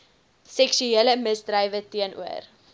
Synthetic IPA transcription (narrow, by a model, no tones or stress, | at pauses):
sɛkʃyeələməsdrɐjvətiənṵər